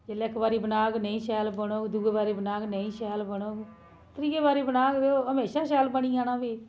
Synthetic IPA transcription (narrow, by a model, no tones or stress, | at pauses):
d͡ʒeleɪkːbaːɾiːbənaːknəĩːʃɛːlbəɽ̃oːɡd̪uːɡebaːɾiːbənaːɡnəĩːʃɛːlbəɽoːɡ | t̪əɾiːeːbaːɾiːbənaːkd̪eoːɦəmeːʃaːʃɛːlbəɽ̃iːaːnãːʋiː